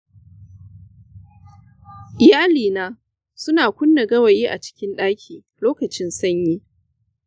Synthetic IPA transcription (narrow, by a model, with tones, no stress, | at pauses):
ʔɪ˨jaː˦liː˨naː˦ | sʊ˦naː˨kʷʊ˦nːɐ˨ɡɐ˦wɐ˨jiː˦ʔa˨t͡ʃɪ̥˦kʲɪ˦nɗaː˦kʲʰiː˨ | loː˦kɐ˨t͡ʃɪ˦nsɐ˦ɲjiː˦